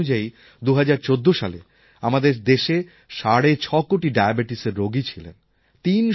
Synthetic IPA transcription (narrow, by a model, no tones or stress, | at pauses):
ud͡ʑai | d̪uɦad͡ʑaɾt͡ɕod̪ːoʃa̰lḛ | amad̪eɾd̪eʃe | ʃaɽet͡ɕʰɔkoʈiɖajabeʈiseɾːoɡit͡ɕʰilḛn | t̪in